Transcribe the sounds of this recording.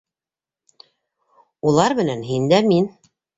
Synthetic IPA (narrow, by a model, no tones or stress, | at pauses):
ulˠɑɾmɘ̆nænɦind̪æmin